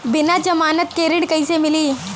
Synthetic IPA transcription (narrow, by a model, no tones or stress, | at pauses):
bɪnad͡ʒɐmaːnət̪̚keɾɪɽkɐĩsemɪliː